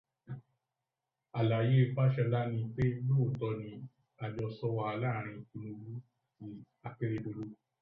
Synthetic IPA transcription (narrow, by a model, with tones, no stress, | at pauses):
a˨la˨je˦˧fa˦ʃɛ˧la˦nĩ˧k͡pe˦lo˦˨tɔ˧nĩ˧ | a˨d͡ʒɔ˧sɔ˦wa˧a˧la˦˨ɾ̃ĩ˧i˧nũ˧ɡu˦ | ti˧ | a˧ke˦ɾe˧do˧lu˦